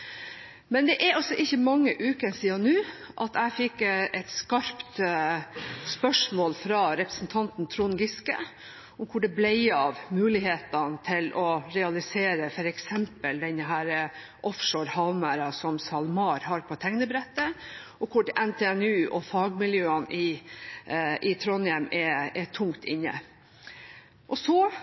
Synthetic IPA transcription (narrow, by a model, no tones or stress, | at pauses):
mɛnd̪ɛʔæɾɑlsɔʔɪçːəmɑŋːəʔʉːkənsiːɑnʉː | ʔɑt̪æɪfɪkːɛt̪skɑɾpt̪ | spœʂmoːlfɾɑɾɛpɾə̥sn̩t̪ʰɑnt̪n̩t̪ʰɾunɡɪskə̰ | ʊmkʰʊɖɛblæɪɑʋmʉːlɪheːt̪ɑnt̪ʰɪlʔɔɾɛɑlɪseːɾəfɔɾɛksɛmpəld̪ɛnːəɦæːɾə | ʔɔfʂoːɾhɑʋmæɾɑsɔmsɑlmɑːɾhɑɾpʰɔt̪ʰɛŋnəbɾɛt̪ːəʔɔkʰʊɖɛʔɛnt̪ʰeːɛnʉːʔɔfɑːɡmɪljøːənʔɪ | ɪt̪ʰɾɔnjɛmɛɛt̪ʰʊŋt̪ɪɲːə̰ | ʔɔsɔ